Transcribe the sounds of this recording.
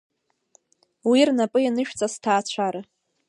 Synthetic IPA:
wirnapʼɨjanɨʃᶣt͡sʼastʰaːt͡ɕʷʰaɾa

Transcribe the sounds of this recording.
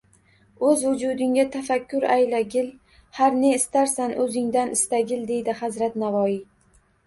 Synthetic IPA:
ɵzwʊd͡ʒud̪ɪŋɡʲat̪ʰafakʲːʊɾajlaɡʲɪl | haɾneɪst̪aɾsanʔɵzɪŋd̪anʔɪst̪aɡʲɪld̪e̞jd̪ɪhazɾat̪navɒji

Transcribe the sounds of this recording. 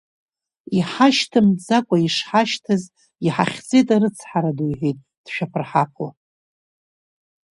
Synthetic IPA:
iħaʃtʰɨmzakʷʼaiʂħaʃtʰɨz | iħa̰χʲd͡zejtʼaɾɨt͡sʰħaɾadujħʷejtʼ | d̥ʃᶣapʰɨrħapʰa

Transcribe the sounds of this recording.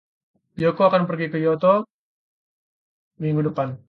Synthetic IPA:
jɔkoakanpərɡikəjɔt̪ɔ | miŋɡudəpan

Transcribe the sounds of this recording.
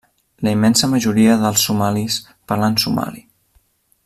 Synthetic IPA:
ləimɛnsəməʒuɾiəðəlˠsːumalis | pəɾlansuma̰li

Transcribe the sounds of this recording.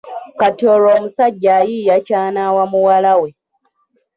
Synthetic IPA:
katoloːmusaɟːajijacaːnaːwamuwalawe

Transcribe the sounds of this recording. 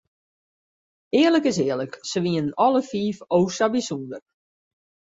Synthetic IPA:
ɪːərləkɪsɪːələksəʋiənnɔləfiːfowsabisundər

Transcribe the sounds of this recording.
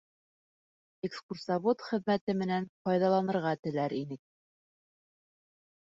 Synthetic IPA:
ekskursɑβot̪χɘ̆ðmæt̪ɘmɘ̆nænfɑjðɑlˠɑnɤ̆ɾʁɑt̪ɘ̆læɾinɘk̚

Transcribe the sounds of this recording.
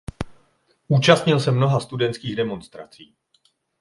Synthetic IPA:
ʔuːt͡ʃast̪ɲɪlsɛmno̞ɦast̪udɛnt̪skiːɣdɛmo̞nst̪ɾa̰t͡siː

